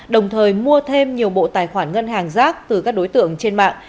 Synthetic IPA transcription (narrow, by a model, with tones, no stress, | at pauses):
ɗə˨˩wŋ͡mt̪ʰəː˨˩jmu˧ət̪ʰe˧mɲi˨˩əwɓo̰˧˨t̪aː˨˩jxwaː˧˩nŋə˧nɦaː˨˩ŋzaː˦˥k̚t̪ɨ˨˩kaː˦˥k̚ɗo˨˦jt̪ɨ̰˧˨əŋt͡ɕe˧nma̰ː˧˨ŋ